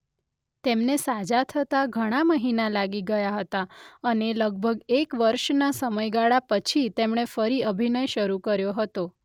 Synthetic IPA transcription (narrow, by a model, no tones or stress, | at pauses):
t̪emnesad͡ʒat̪ʰət̪aɡʱəɽ̃aməɦinalaɡiɡəjaɦət̪aəneləɡ̚bʱəɡekʋəɾʃnasəməjɡaɭapət͡ʃʰit̪emɳ̃efəɾiəbʱinəjʃəɾukəɾjoɦət̪o